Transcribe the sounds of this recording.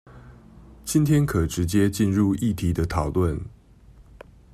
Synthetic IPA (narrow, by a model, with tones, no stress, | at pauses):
t͡ɕi˦nt̪ʰjɛ˦nkʰə˨˩ʈ͡ʂɻ̩˨˦t͡ɕjɛ˦t͡ɕi˥˧nɻu˥˧i˥˩t̪ʰi˨˥d̪ə˧t̪ʰɑ˨˩ʊlwə˥˨˩n